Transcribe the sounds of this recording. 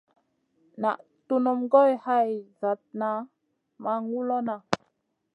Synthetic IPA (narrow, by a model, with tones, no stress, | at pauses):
na̰˨ʔ | tu˦nu˨mɡo˦jha˦jza˨t̚na˨˦ | ma˦ŋu˦lo˦na˨